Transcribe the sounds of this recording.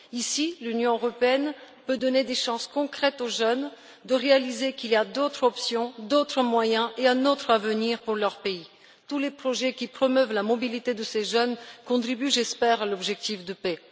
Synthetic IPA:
isilynjɔ̃øʁɔpeɛn | pød̪ɔned̪eʃɑ̃skɔ̃kχɛt̪oʒœn | d̪əʁealizekiliad̪ot̪χɔpsjɔ̃d̪ot̪χəmwajɛ̃ʔeɛ̃not̪χavəniʁpuʁlœʁpei | t̪ulepχɔʒɛkʲipχɔmœvlamɔbilit̪ed̪əseʒœnkɔ̃t̪χibyʒɛspɛʁalɔbʒɛk̚t̪ifd̪əpɛ

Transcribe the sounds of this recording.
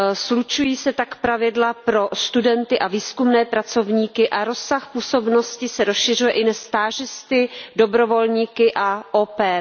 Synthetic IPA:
slut͡ʃujiːsɛt̪akpɾavɪdlapɾo̞st̪udɛnt̪ɪʔaviːskumnɛːpɾat͡so̞vɲiːkɪʔaɾo̞sːaxpuːso̞bno̞scɪsɛɾosʃɪr̝ujɛʔɪnɛst̪aːʒɪst̪ɪdo̞bɾo̞vo̞lɲiːkɪʔaʔoːpɛː

